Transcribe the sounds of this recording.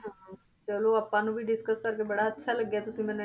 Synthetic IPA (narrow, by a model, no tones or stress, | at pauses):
t͡ʃəloɐpːãnũbʱiɖɪskəskɐɾkebɐɽaɐtːʃʰalɐɡːjaːt̪ʊsĩmẽne